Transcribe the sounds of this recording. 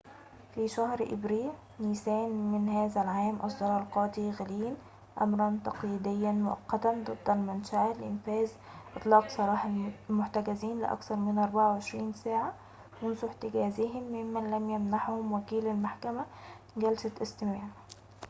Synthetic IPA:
fiʃæhɾʔɪ̰bɾiːl | niːsæːnmɪnhæːzælʕaːmʔɑzˤːɑɾˤɑlqɑːt̪ˤiɣæliːn | ʔæ̰mɾˤɑnt̪ɑqjid̪ɪjːænmʊʔɑ̰qːɑt̪ænd̪ˤɨd̪ːælmʊnʃaʔælʔɪnfæːz | ʔɨt̪ˤlɑːqsˤɑɾˤɑːħɑmʊħt̪æɡæziːnlɪ̰ʔɑ̰kθɑɾˤmɪnʔɑɾˤbaʕawʕeʃɾiːnsæːʕa | mʊnsuħt̪ɪɡæːzɪhɪmːɪmːænlæmjæmnaħhʊmwækiːlælmaħkæmæ | ɡælsæʔɪst̪ɪmaːʕ

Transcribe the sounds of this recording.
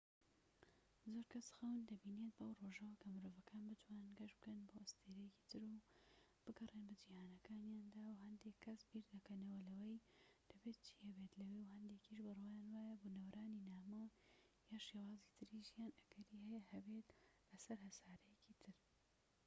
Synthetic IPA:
zoɾkʰɐsxɐwnd̪ɐbiːnet̪̚bʔɐwroʒɐwɐkʰɐmɨɾoːvɐkʰaːnbɨt̪ʰwaːnɨnɡɐʃbɨkɐnboːʔɐst̪ʰeɾɐjeci̥t̪ʰɨɾub̥ɨɡɐreːnbɐd͡ʒihaːnɐkaːnjaːnd̪aːwɦɐnd̪eːkʰːɐsbiːɾd̪ɐkɐnɐwɐlɐwɐjd̪̥ɐbeːt̪̚t͡ʃʰi̥ːhɐbet̪lɐwewhɐnd̪ekiʃbɨrwajaːnwaːjɐboːnɐwɾaːninaːmow | jaːʃewaːzit̪ʰɨɾiʒijaːnɐɡɐɾihɛjɐhɐbe̞t̪lɐsɐɾɦɐsaːɾɐjecit̪ʰɨɾ

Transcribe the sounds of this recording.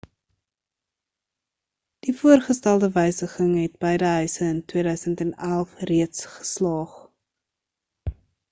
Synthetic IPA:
d̥ifuərχəstælˠdəvəjsəχəŋɦɛt̚bəjdəɦœɥsəəntwiədœɥsəntænælˠfriətsχə̥slɑːχ

